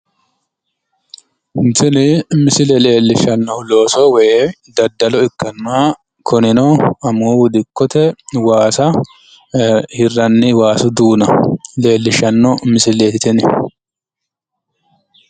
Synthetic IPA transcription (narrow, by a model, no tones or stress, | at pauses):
ɪnsɪnɪmɪsɪlɛle̞ːlːɪʃɐnːɔlo̞ːsɔwɛ | d̪ɐd̪ːɐlɔɪkːɐnːaː | kʰɔnɪnɔɐmuːwʊd̪ɪkːɔt̪ɛwaːsɐ | hɪrːɐnːɪwaːsʊd̪uːnɐle̞ːlːɪʃɐnːɔmɪsɪleːt̪ɪt̪ɪnɪ